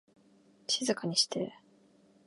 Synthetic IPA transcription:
ɕizɨkaɲ̟iɕi̥t̪e

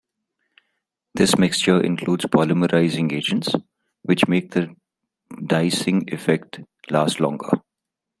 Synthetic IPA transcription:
d̪ɪsmɪkst͡ʃəʔɪ̰̃nkʰluːɖz̥pʰɔːləməɾaɪzɪ̃ŋeːd͡ʒə̃nʈs | ʋɪt͡ʃmeːk̚d̪ə | ɖaɪsɪ̃ŋɪfɛk̚ʈ | laːsʈlɔ̰̃ŋɡə̰

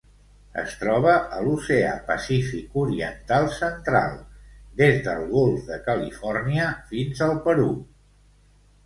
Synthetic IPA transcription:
ə̰st̪ɾɔβ̞əʔəlusea̰pəsifikuɾiə̰nt̪alˠsənt̪ɾa̰lˠd̪ezðəlˠɣolˠfðəkəlifɔrniəfinzəlˠpəɾu

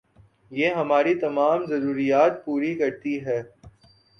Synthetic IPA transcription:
jeːɦɐmaːɾit̪ɐmaːmzɐɾuːɾijaːt̪̚puːɾikɐɾt̪iɦɛː

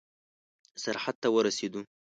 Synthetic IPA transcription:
ʔsɑɾħat̪ːawɑɾˤɑsid̪u

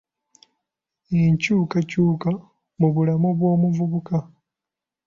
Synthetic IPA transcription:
eɲcuːkacuːka | muβulamoβwo̞ːmuvuβuka

